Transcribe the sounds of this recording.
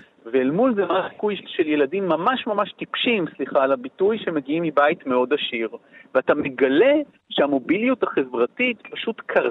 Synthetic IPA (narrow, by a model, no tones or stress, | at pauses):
veːlmulzemasi̥kujʃelje̞ladimːamaʃmamaʃtipʃimsliχaːlabitujʃemeɡiimːibajitme̞o̞daʃiʁveatame̞ɡale̞ | ʃeamo̞biljuthaχe̞vʁatitpaʃutkʰaʁ